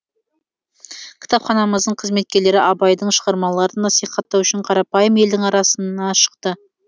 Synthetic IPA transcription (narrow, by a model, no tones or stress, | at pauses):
kʲʰɪ̥t̪ʰɑpχɑnɑməzd̪əɴqʰəzme̞t̪̚kʲe̞ɾle̞ɾɪʔɑbɑjd̪əɴʃəʁɑɾmɑlˠɑɾənːɑsijχɑt̪ːɑwʏʃɪɴqʰɑɾɑpɑjəme̞ld̪ɪŋɑɾɑsənɑʃə̥qt̪ə